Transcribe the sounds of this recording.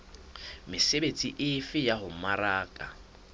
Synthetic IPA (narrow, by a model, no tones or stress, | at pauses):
mɪsebet͡sʼiʔɪfɪjaɦʊmaɾaːkʼa